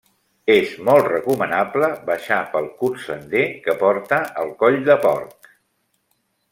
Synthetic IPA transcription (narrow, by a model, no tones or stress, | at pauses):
ezmɔlˠtrəkumənabləbəʃapəlˠkusənd̪ekəpɔɾt̪əʔəlˠkɔʎd̪əpɔrk